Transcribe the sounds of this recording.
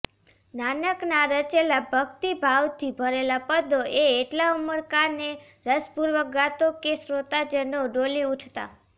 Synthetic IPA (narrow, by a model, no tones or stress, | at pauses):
nanəknaɾət͡ʃelabʱəɡt̪ibʱawt̪ʰibʱəɾelapəd̪ʱoʔeeʈlauməɾkaɾne | ɾəspuɾʋəɡat̪okesɾot̪ad͡ʒənoɖoliuʈʰt̪a̰